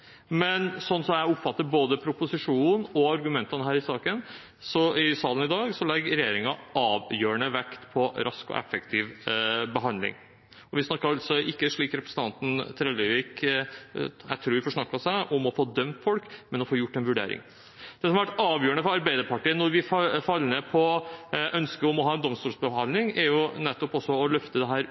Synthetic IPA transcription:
mɛnsɔnːsɔmjæɪʊpfɑt̪ːəɾboːd̪əpʰɾʊpʊsɪʂuːn̩ɔɑɾɡʉmɛnt̪ɑnəɦæːɾɪsɑːkən | sɔɪsɑːlənɪd̪ɑːɡsɔlɛɡɾɛjeːɾɪŋɑɑːʋjøːəɳəʋɛkt̪pʰɔɾɑskɔ̰ʔɛ̰fək̚t̪ʰiːʋbəɦɑnd̪lɪ̰ŋ | ɔʋɪsnɑkːəɾɑlsɔʔɪkːəʂɭiːkɾɛpɾəsət̪ɑnt̪n̩t̪ʰɾɛləʋiːk | jæ̰ɪt̪ʰɾuːɾʋɪfɔʂɳɑkːɑsæɪʔɔmɔfoːd̪œmt̪fɔlkmɛnɔfoːjʊʈːɛnʋʉɖḛːɾɪ̰ŋ | d̪̥ɛsɔmɑʋæʈɑːʋjøːəɳəfɔɾɑɾbæɪd̪əɾpɑʈiːənɔɾʋɪfɑlːnepʰɔʔœnskəɔmɔɦɑːɛnd̪ɔmst̪uːlsbəɦɑnlɪŋɛɾjʊnɛt̪ːɔpɔsːɔɔlœft̪əd̪ɛɦæːɾ

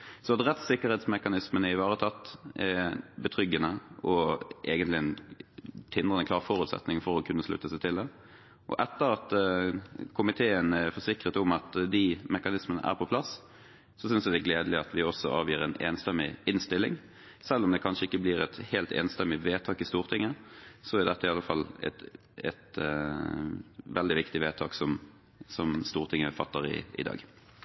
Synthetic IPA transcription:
sɔɑt̪ɾɛt̪sɪkːəɾhɛːt̪smɛkɑnɪsmənəɪʋɑːʁət̪ʰɑt̪ːʔɛbət̪ʰʁʏɡːənəɔʔeːɡənt̪lɪɛn | t̪ʰɪnd̪ʁənəklɑːʁfɔɾʉːt̪sɛ̰t̪nɪŋfɔɾɔkʰʉnːəslʉ̰t̪ːəsæɪt̪ʰɪld̪ɛ | ʔɔ̰ʔɛt̪ːəʁɑt̪ | kʰʊmɪt̪ʰeːənɛfɔʂɪkʁət̪ʊmɑt̪d̪ɪmɛkɑnɪsmənə̰ʔæ̰ɾpʰɔpʰlɑs | sɔsʏnsɛd̪ɛɡleːd̪əlɪɑt̪ʋɪɔsːɔ̰ʔɑ̰ːʋjiːɾɛneːnst̪ɛmɪɪnst̪ɪlːɪŋ | sɛlːɔmd̪ɛkʰɑnʂəɪkːəblɪɾɛt̪heːlt̪ḛːnst̪ɛmːɪʋeːt̪ʰɑːkɪst̪uːʁt̪ʰɪŋːəsɔɪd̪ɛt̪ːɑɪɑlːəfɑlːɛ̰t̪ | ɛ̰t̪ | ʋɛld̪ɪʋɪkt̪ɪʋeːt̪ʰɑːksɔm | sɔmst̪uːʁt̪ʰɪŋːəfɑt̪ːəɾɪ̰ɪ̰d̪ɑ̰ːɡ

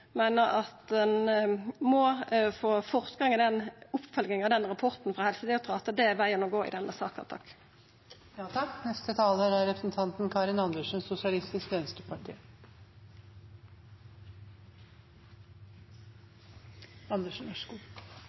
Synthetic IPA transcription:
meːnəʁɑt̪d̪ɛnmɔfoːfɔʁt̪ɡɑŋəd̪ɛnʊpːfœlɡnɪŋɑʋd̪ɛnʁɑpʰɔʁt̪n̩fʁɑːhɛlsəd̪ɛʊt̪ʰʁɑːt̪əd̪ɛʋæɪənɔɡoːɪ̰d̪ɛnʔəsɑ̰ːkɑ̰t̪ʰɑkː | jɑːt̪ʰɑkːnɛst̪ət̪ʰɑːləɾæɾɾɛpʰɾəsnt̪ʰɑnt̪nkʰɑɾɪnɑnd̪əʂn̩ssʊsɪɑlɪst̪ɪskɛnəst̪əpʰɑʈʰḭː | ɑnd̪əʂn̩ɔʂu

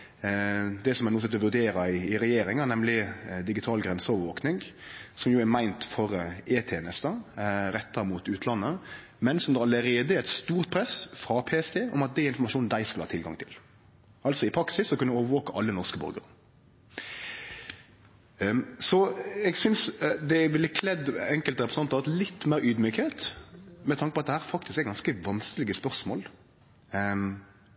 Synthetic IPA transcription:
d̪ɛsɔmɛnuːs̬ɛt̪ːɔʋʉʁd̪eːɾɑɪɪɾɛjeːɾɪŋɑnɛmlɪd̪ɪɡɪt̪ʰɑːlɡɾɛnsəɔːʋəɾʋoːknɪŋsɔmjuːæɾmæɪnt̪fɔʁeːt̪ʰeːnəst̪ɑɾɛt̪ʰːɑmuːt̪ʉːt̪ʰlɑnːə | mɛnsɔmd̪ɛɑləɾeːd̪əɾɛt̪st̪uːʁt̪̚pʰɾɛsfɾɑpʰeːɛst̪eːɔmɑt̪̚d̪ɛæɾɪnfɔʁmɑʂuːnd̪æɪskʉləɑːt̪ʰɪlɡɑ̰ŋt̪ʰɪl | ɑltsɔɪpʰɾɑksɪsːɔkʰʉnəʋɛoːʋəɾʋoːkəʔɑlːənɔʁskəbœ̰ɾɡə̰ʁə | sɔɛɡsʏnsd̪ɛʋɪlɪkʰlɛd̪ɛŋkəlt̪əɾʁɛpɾəsn̩ɑnt̪ːʁɑt̪lɪt̪ːmæːɾyːd̪myːkheːt̪mɛt̪ʰɑŋkəpɔɑt̪̚d̪ɛhæːʁfɑk̚t̪ɪskɛɡɑnskəʋɑnskəlɪɡəspœʁsmo̰ːl

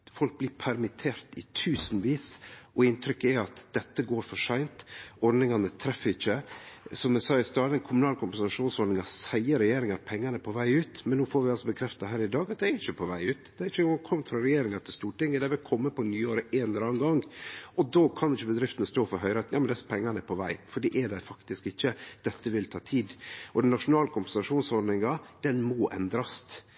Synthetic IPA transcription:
fɔlk̚blɪːpʰæɾmɪt̪ʰeːɾt̪ɪ̰t̪ʰʉːsnʋiːsʔɔɪnt̪ʰɾʏkːæɑt̪d̪̥ɛt̪ːəɡoːɾfɔʂæɪnt̪ɔɾɖ̪nɪŋɑnət̪ʰɾɛfːəɾɪçːəsɔmɛsɑːɪst̪ɑːd̪ənkʰʊmʉnɑːlkʰʊmpɛnsɑʂuːnsɔɖ̪nɪŋɑsæɪəɾɛjeːɾɪŋɑɾpʰɛŋːənəpʰɔʋæɪʉːt̪mɛnːuːfɔɾʋɪɑlsɔbəkʰɾɛft̪ɑɦæːɾɪd̪ɑːɡɑt̪̚d̪æɪæɾɪçəpʰɔʋæɪʉːt̪d̪ɛɾɪçəkʰɔmːfɾɑɾɛjeːɾɪŋɑt̪ʰɪlst̪uːʈɪŋːəd̪æɪʋɪlkʰɔmːəpɔnyːoːɾəʔeːnllɾɑːnɡɑŋʔɔd̪oːkʰɑnɪçəbəd̪ɾɪft̪ənəst̪oːfɔɾɦœʏɾɑt̪njɑːmɛnd̪ɛspʰɛŋːɑnpʰɔʋæɪfɔɖiːʔɛɖæɪfɑkt̪ɪskɪçːəd̪̥ɛt̪ːəʋɪlt̪ʰɑːt̪ʰiːd̪ɔd̪ɛnnɑʂʊnɑːləkʰʊmpəɛnsɑʂuːnsɔɾɖ̪nɪŋɑd̪̥ɛnmɔʔɛ̰nd̪ɾɑst̪

